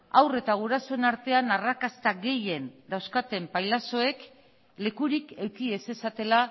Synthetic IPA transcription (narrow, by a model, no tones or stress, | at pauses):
awre̞t̪aɣ̞uɾasoenaɾt̪e̞anarakast̪aɣe̞je̞nd̪awskat̪e̞mpajlaso̞e̞k | le̞kuɾike̞wkie̞se̞sat̪e̞la